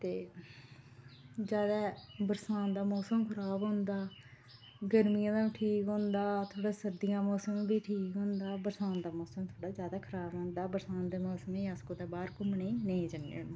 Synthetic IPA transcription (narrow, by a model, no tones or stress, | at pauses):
t̪eː | d͡ʒjaːd̪aːbəɾsaːnd̪aːmɔːsəmkʰəɾaːbɦʊ̃nd̪aː | ɡəɾmijãːd̪aːiːʈʰiːkɦõːnd̪aːt̪ʰoːɽaːsəɾd̪ɪjãːmɔːsəmbiːʈʰiːkɦʊ̃nd̪aːbəɾsaːnd̪aːmɔːsəmt̪ʰoːɽaːd͡ʒjaːd̪aːkʰəɾaːbɦõːnd̪aːbəɾsaːnd̪eːmɔːsəmẽaskoːt̪eːbaːɾkʊməneːneĩːd͡ʒənːḛːnd̪iː